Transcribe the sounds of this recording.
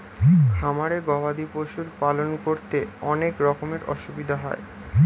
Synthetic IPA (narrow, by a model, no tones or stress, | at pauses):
kʰamaɾeɡɔbad̪ipoʃulpalonkoɾt̪eɔnekɾɔkomeɾɔ̰ʃubid̪ʱaɦɔ̰e